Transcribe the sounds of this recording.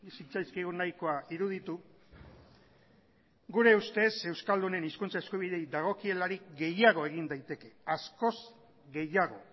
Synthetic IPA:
sit͡sajskiɣunajko̞aiɾuð̞it̪u | ɡuɾe̞ust̪e̞se̞wskald̪une̞niskunt͡sae̞skuβiðe̞jd̪aɣ̞o̞kie̞laɾikɡe̞jaɣ̞o̞e̞ɣind̪ajt̪e̞ke̞asko̞z | ɡe̞jaɣ̞o̞

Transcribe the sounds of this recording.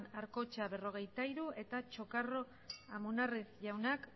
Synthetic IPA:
naɾko̞t͡ʃaβe̞ro̞ɣ̞e̞jt̪aiɾuʔe̞t̪at͡ʃo̞karo̞ | amunarisʝawnak

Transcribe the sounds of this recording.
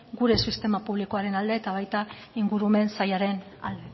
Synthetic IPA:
ɡuɾe̞sist̪e̞mapuβ̞liko̞aɾe̞nald̪e̞ːt̪aβ̞ajt̪a | iŋɡuɾume̞nsajaɾe̞na̰ld̪e̞

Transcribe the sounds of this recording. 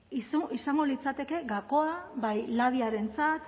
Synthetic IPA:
isisaŋɡo̞lit͡sat̪e̞ke̞ɣako̞aβajlað̞iaɾe̞nt͡sat̪

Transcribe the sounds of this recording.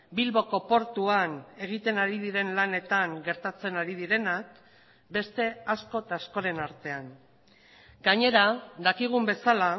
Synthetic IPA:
bilβo̞ko̞po̞ɾt̪uane̞ɣ̞it̪e̞naɾið̞iɾe̞nlane̞t̪aŋɡe̞ɾt̪at͡se̞naɾið̞iɾe̞nak | be̞st̪e̞asko̞t̪asko̞ɾe̞naɾt̪e̞aŋ | ɡaɲe̞ɾad̪akiɣ̞umbe̞sala

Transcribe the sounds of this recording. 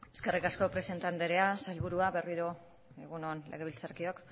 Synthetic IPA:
e̞ske̞rikasko̞pɾe̞se̞nt̪and̪eɾeasajlβuɾuaβe̞riɾo | eɣuno̞nlʔe̞̰ɣilt͡saɾkio̞k

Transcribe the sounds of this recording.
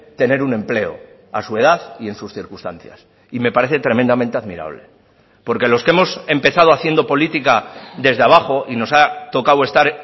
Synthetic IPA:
t̪e̞ne̞ɾunẽ̞mple̞o̞̰ | a̰sue̞ð̞aθðie̞nsusθiɾkust̪an̟θja̰s | ime̞paɾe̞θe̞t̪ɾe̞mẽ̞nd̪amẽnt̪eaðmḭɾa̰β̞le̞̰ | po̞ɾke̞lo̞skeemo̞se̞mpe̞θað̞oaθjend̪o̞po̞lit̪ikaðe̞zðeaβ̞aχo̞ʔino̞sat̪o̞kawe̞st̪aɾ

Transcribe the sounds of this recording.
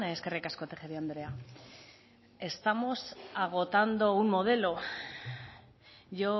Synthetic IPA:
eskerekaskot̪eχeɾiand̪ɾe̞a | e̞st̪amo̞saɣ̞o̞t̪and̪o̞unmo̞ð̞e̞lo̞ | ʝo̞

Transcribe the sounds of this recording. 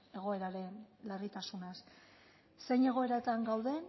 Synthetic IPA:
e̞ɣ̞o̞e̞ɾaɾe̞nlarit̪asunas | se̞jɲe̞ɣ̞o̞e̞ɾaet̪aŋɡawðe̞

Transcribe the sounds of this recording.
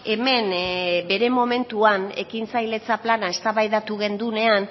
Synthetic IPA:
e̞me̞nbe̞ɾe̞mo̞me̞nt̪uane̞̰kinsajle̞t͡saplanae̞st̪aβajðat̪uɣ̞e̞nd̪une̞an

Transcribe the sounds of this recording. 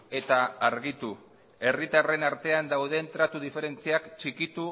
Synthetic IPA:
e̞t̪aːɾɣit̪u | e̞rit̪are̞naɾt̪e̞and̪awðe̞nt̪ɾat̪uð̞ife̞ɾe̞nt͡siakt͡ʃikit̪u

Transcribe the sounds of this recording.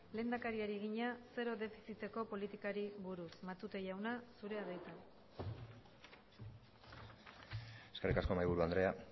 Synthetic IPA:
le̞ːnd̪akaɾiaɾieɣ̞iɲase̞ɾo̞ðe̞fisit̪e̞ko̞po̞lit̪ikaɾiβuɾusmat̪ut̪e̞ʝawnasuɾe̞aðejt̪a | e̞skerikasko̞majβuɾuand̪ɾe̞a

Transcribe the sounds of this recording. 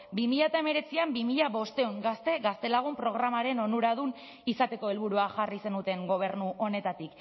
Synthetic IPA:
bimiʎat̪aeme̞ɾe̞t͡siambimiʎaβo̞st̪e̞uŋɡast̪e̞ɣast̪e̞laɣ̞umpɾo̞ɣ̞ɾamaɾe̞no̞nuɾað̞un | isat̪e̞ko̞e̞lβuɾuaxarise̞nut̪e̞ŋɡo̞β̞e̞ɾnuʔo̞ne̞t̪at̪ik

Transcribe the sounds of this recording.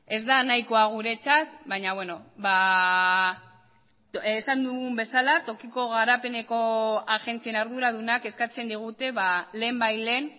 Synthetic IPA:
e̞zd̪anajko̞aɣ̞uɾe̞t͡sat̪̚baɲaβweno̞βa | sand̪uɣumbe̞salat̪o̞kiko̞ɣaɾape̞ne̞ko̞axe̞nt͡sienaɾðuɾað̞unake̞skat͡se̞nd̪iɣ̞ut̪e̞βale̞ːmbajle̞ːn

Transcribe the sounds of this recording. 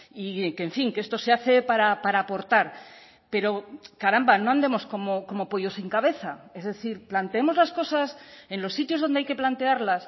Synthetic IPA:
ikeɱfiŋkest̪o̞se̞aθe̞paɾapaɾaːpo̞ɾt̪aɾ | pe̞ɾo̞kaɾambano̞and̪e̞mo̞sko̞moko̞mo̞poʝo̞siŋkaβe̞θae̞zðe̞θiɾplant̪eemo̞zlasko̞sase̞nlo̞sːit̪jozð̞o̞nd̪eajke̞plant̪e̞aɾlas

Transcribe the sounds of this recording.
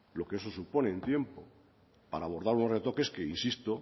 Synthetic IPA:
lo̞ke̞es̬o̞supo̞ne̞ːnt̪je̞mpo̞ | paɾaːβ̞o̞ɾð̞aɾunoret̪o̞ke̞skeinsist̪o

